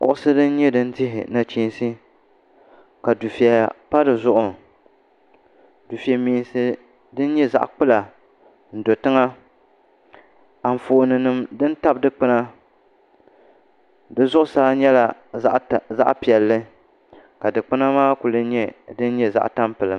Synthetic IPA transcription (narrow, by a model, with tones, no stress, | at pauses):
kʊ̰˨ʔʊ˦sɨ˦dɨ˦n̩˦ɲɛ˦dɨ˦n̩˦dɪ˦ɦɪ̰˨na˨t͡ʃiː˦n˦si˦ | ka˨du˨fi˨a˨pa˦dɨ˨zʊ˦ʔʊ˨ | du˨fi˨a˨miː˨n˨sɨ˦ | dɨ˦n̩˦ɲɛ˦za̰˦ʔk͡pɨ˦la˨ | n̩˨do˨tɨ˦ŋa˦ | a˨m˨foː˨nɨ˨nɨ˨mdɨ˦n˦ta˦bdɨ˦k͡pɨ˦na˦ | dɨ˦zʊ˦ʔʊ˦˨saː˦ɲɛ˦la˨˦ | za̰˦ʔpi˨ɛ˨lːɨ˦ | ka˨dɨ˨k͡pɨ˦na˦maː˦ku˨lɨ˦ɲɛ˦dɨ˦n˦ɲɛ˦za̰˦ʔta˦mpɨ˨lɨ˨m